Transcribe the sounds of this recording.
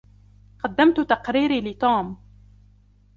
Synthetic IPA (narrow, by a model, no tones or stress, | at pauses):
qɑd̪ːamt̪ʊt̪ɑqɾiːɾilɪt̪uːm